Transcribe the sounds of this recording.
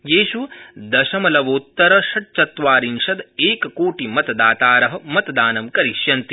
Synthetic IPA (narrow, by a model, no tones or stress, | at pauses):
jeːʃud̪ɐʃɐmɐlɐʋoːt̪ːɐɾɐʃɐʈ̚t͡ʃɐt̪ʋaːɾinʃɐd̪eːkɐkoːʈimɐt̪ɐd̪aːt̪aːɾɐɦɐ̆mɐt̪d̪aːnɐmkɐɾiʃjɐnt̪i̥